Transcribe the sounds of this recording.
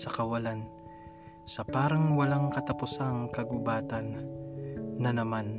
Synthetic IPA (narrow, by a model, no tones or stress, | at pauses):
sɐkɐwɐlan | sɐpaːɾɐŋwɐlaŋkɐt̪ɐpʊsaŋkɐɡʊbaːt̪ɐnː | ɐnɐman